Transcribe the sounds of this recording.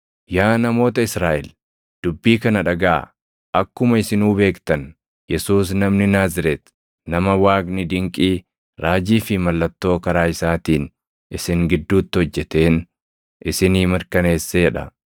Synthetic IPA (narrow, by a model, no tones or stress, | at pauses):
jaːnɐmo̞ːt̪ɐɪsɾaːʔɛl | d̪̥ʊbːiːkɐnɐᶑɐɡa̰ː | ʔɐkːʊmɐɪsɪnuːbe̞ːkt̪ɐn | jɛsuːsnɐmnɪnaːzɪɾɛt̪ | nɐmɐwaːɡnɪd̪ɪŋkʼiː | ɾaːd͡ʒiːfɪmɐlːɐt̪ːo̞ːkɐɾaːɪsaːt̪iːn | ʔɪsɪŋɡɪd̪ːuːt̪ːɪhɔd͡ʒːɛt̪e̞ːn | ʔɪsɪniːmɪɾkɐne̞ːsːeɛᶑɐ̰